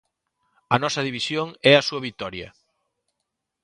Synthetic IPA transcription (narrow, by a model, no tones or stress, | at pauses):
ɐnɔsɐð̞iβ̞isjoŋɛɐsuɐβit̪ɔɾjɐ̰